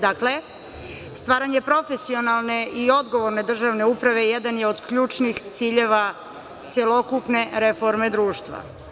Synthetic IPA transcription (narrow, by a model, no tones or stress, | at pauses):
d̪akle̞ | st̪ʋaːɾaɲe̞pɾo̞fe̞sio̞nalˠne̞ʔio̞d̪ɡo̞ʋo̞ɾne̞d̪r̩ʒaʋne̞upɾaʋe̞jɛd̪anjeod̪kʎuːt͡ʂnixt̪siːʎe̞ʋa | t̪sjelo̞kupne̞ɾe̞fo̞ɾme̞d̪ɾuːʃt̪ʋa̰